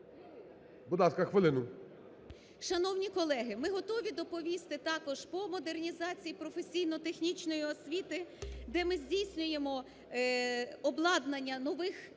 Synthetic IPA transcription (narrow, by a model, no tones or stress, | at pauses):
bʊd̪ɑskɐxʋɪlˠɪnʊ | ʃɐnɔwnʲikɔlˠɛɦɪmɪɦɔt̪ɔʋʲid̪ɔpɔʋʲist̪ɪt̪ɑkɔʒ̥pɔmɔd̪ernʲizɑt͡sʲijipɾɔfesʲijnɔt̪exnʲit͡ʃnɔjiɔsʲʋʲit̪ɪd̪ɛmɪzʲdʲijsʲnʲʊje̞mɔ | ɔblˠɑd̪nɐnʲːɐnɔʋɪx